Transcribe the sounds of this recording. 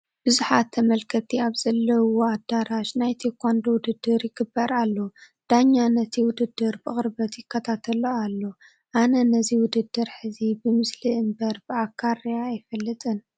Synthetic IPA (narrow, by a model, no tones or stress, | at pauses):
b̥ɨzuħat̪ʰːɐmɐlkʰɐt̪ʰiaβz̥ɐlːɐwoad̪aɾaʃnajt̪ʰikʷʰand̪owʊd̪ɨd̪ːɨɾjɪɡɨbːɐɾalːo | d̪̥aɲːanɐt̪ʰiwʊd̪ɨd̪ːɨɾbɨχʼɨɾbɐt̪jɪkʰːɐt̪ʰat̪ʰɐloalːo̞ | ʔanɐnɐziwʊd̪ɨd̪ːɨɾħɨzibɨmɨsliʔɨmbɐɾbɨakʰːarjaːjfɐlːɨt̪ʼɨn